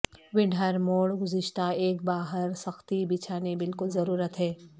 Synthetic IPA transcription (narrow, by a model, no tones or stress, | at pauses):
ʋɪɖʱəɾmoːɽɡʊzɪʃt̪aeːk̚baːɦəɾsɐxt̪ibɪt͡ʃʰaːnebɪlkʊlzɐɾuːɾət̪ɦɛː